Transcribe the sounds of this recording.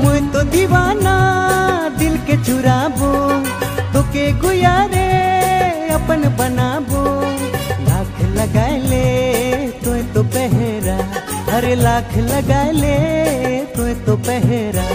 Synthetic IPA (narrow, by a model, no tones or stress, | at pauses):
mʊ̃ɦẽt̪od̪iʋaːna | d̪ɪlket͡ʃʰʊɾaːbo | t̪oːkeɡʊjaːɾe | ɐpənbənaːbo | laːkʰləɡaːele | t̪oɦt̪opɛɦeɾaː | ɐɾelaːkʰləɡaːele | t̪oẽt̪opɛɦeɾaː